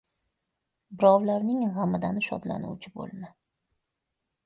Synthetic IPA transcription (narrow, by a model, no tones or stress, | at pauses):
bɪɾɒwlaɾnɪŋʁamɪd̪anʃɒ̰d̪la̰nṵwt͡ʃʰɪbo̰lˠmɪ